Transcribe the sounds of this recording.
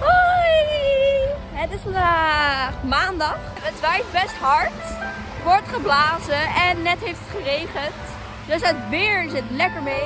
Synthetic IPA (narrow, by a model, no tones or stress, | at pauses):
ɦoj | ɦətɪsfɑndaχmaːndɑχ | ʋətʋɛjtbɛstɦɑɹt | ʋɔɹtχəblaːzəɛnːɛtɦejftətχərejχənt | dɵsɦətbɪːɹzɪtlɛkəɹmej